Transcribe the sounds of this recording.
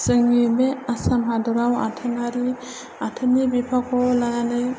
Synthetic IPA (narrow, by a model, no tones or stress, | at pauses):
sɯŋimeasamɦadɔɾawa̰tʰanaɾi | atʰɯnibipʰakʰɔlaŋane